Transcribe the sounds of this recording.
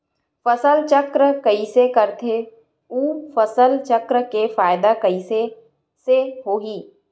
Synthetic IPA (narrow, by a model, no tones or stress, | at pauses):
fɐsəlt͡ʃəkɾəkəisekɐɾt̪ʰe | uːfɐsəlt͡ʃɐkɾəkefaːɪd̪akɐise | seɦoːɦiː